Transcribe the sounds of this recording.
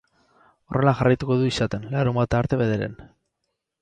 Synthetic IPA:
o̞re̞laxarajt̪uko̞ðuisat̪e̞nlaɾumbat̪aːɾt̪e̞βeðeɾḛn

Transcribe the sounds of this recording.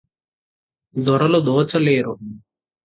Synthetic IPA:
d̪ɔɾɐlud̪ɔːt͡ʃɐleːɾu

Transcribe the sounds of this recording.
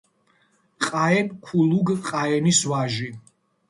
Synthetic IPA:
qʼaɛmkʰuluɡqʼaɛniswaʒi

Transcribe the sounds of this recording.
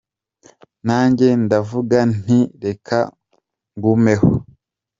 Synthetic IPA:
naːɲɟe̞ndavuɡan̥iɾe̞kʰa | ŋɡume̞ho

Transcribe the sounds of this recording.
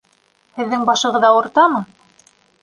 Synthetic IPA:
hɘ̆ðːɘŋbɑʃɤ̆ʁɤ̆ðɑwŏɾt̪ɑmɤ

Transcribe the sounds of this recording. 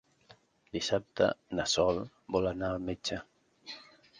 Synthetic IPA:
d̪isap̚t̪a̰nasɔl | bɔlanamet͡ʃa

